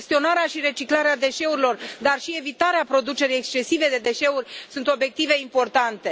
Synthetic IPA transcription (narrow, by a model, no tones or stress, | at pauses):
st̪io̞naɾeaʃiɾe̞t͡ʃiklaɾead̪e̞ʃe̞uɾilo̞rd̪arʃie̞vit̪aɾeapɾo̞d̪ut͡ʃe̞ɾijekst͡ʃe̞sive̞d̪e̞d̪e̞ʃe̞urʲsunt̪o̞bje̞k̚t̪ive̞impo̞rt̪ant̪e̞